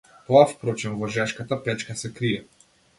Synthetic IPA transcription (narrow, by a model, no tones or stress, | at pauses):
t̪ɔafpɾɔt͡ʃɛnvɔʒɛʃkat̪apɛt͡ʃkasɛkɾiɛ